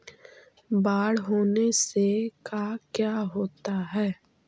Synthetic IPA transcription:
baːɽɦoːnesekakjaːɦoːt̪aɦɛː

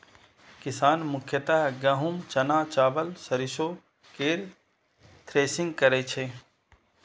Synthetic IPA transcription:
kɪsaːnmʊkʰjət̪aɦɡɐɦumt͡ʃɐnaːt͡ʃaːʋəlsɐɾɪʃoː | keːɾ | t̪ʰɾeːsɪ̃ŋɡ̚kɐɾet͡ʃʰeː

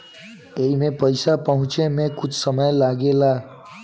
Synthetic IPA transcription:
eimepəjsapəɦũt͡ʃemẽkʊt͡ʃʰsəməjlaɡela

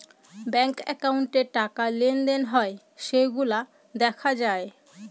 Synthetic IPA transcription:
bɛŋkɛ̰kawuɳʈeʈakalend̪enɦɔe | ʃejɡula | d̪ɛkʰad͡ʑae

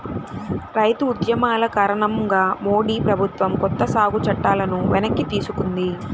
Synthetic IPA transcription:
ɾɐjt̪uːd̪jɐmaːlɐkaːɾɐɳɐmɡaːmo̞ːɽiːpɾɐbʱut̪ʋɐmkɔt̪ːɐsaːɡut͡ʃɐʈːaːlɐnuʋɛnɐkːit̪iːsukund̪i

